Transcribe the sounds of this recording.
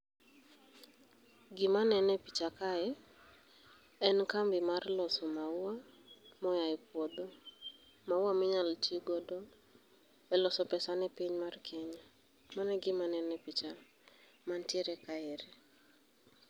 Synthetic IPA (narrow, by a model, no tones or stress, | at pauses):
ɡɪmanɛnɛpit͡ʃakaɛ | ɛnkambɪmarlɔsɔmaʊamɔjaɪpwɔd̪ɔ | maʊwamɪɲaltiɡɔdɔ | ɛlɔsɔpɛsanɛpiɲmarkʰɛɲa | manɛɡɪmanɛnɛpit͡ʃa | mantjeɾɛkaɛɾɪ